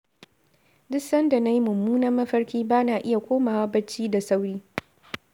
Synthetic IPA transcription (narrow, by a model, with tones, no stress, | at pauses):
dʊ˦sɐ˦nda˨na˦ji˦mʊ˨mːuː˦nɐ˦mːɐ˦ɸɐ˦ɽkʲiː˦baː˦naː˨ʔɪ˦ja˨kʷoː˦maː˨wa˦bɐ˦t͡ʃːiː˦da˨sa˦wɽiː˦